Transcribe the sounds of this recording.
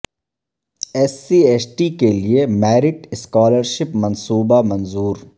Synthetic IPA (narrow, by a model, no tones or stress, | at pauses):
ɛːsieːsʈikeliemɛːɾɪʈɪskɔːləɾʃɪpmɐnsuːbamɐ̃nzuːɾ